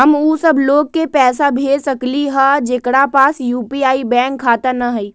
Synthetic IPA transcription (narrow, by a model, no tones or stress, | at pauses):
ɦɐmuːsɐbloːɡ̚kepɛːsabʱeːsɐkliɦad͡ʒekɽapaːsjuːpiaːibɛ̃ːŋkʰːaːt̪anɐɦəiː